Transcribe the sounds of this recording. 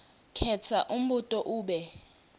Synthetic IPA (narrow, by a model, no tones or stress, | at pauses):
kʰɛt͡sʰaʔum̩ɓutʼɔʔuːɓɛ